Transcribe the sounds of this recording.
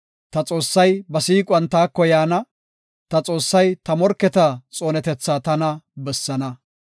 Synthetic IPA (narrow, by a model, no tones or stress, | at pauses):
t̪ɐt͡sʼo̞ːsːɐjbɐsiːkʼwɐnt̪aːkːɔjaːnɐ | t̪ɐt͡sʼo̞ːsːɐjt̪ɐmɔɾkːɛt̪ɐt͡sʼoːnɛt̪ɛt͡sːaːt̪ɐnɐbɛsːɐnɐ